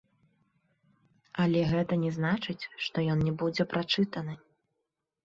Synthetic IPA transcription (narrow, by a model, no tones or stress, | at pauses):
ɐlʲɛɣɛt̪ɐnʲɛznat͡ʂɨt͡sʲʂt̪ɔjɔnnʲɛbud͡zʲɛpɾat͡ʂɨt̪ɐnɨ